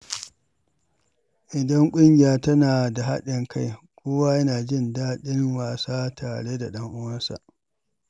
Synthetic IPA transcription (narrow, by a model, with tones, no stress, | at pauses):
ʔɪ˨dɐ˦ŋkʷʼʊ˦ŋɡʲɪ˨jaː˦tɐ˦naː˨da˨ɦa̰˦ɗɪ˨ŋkʰa˦jkʷʰoː˦waː˦jɐ˦naː˨d͡ʒɪ˦˨ndaː˦ɗɪ˦nwaː˨saː˦tʰaː˨ɽeː˦da˨ɗɐ˦ŋʔʊ˦wɐ˦nsa̰˨ʔ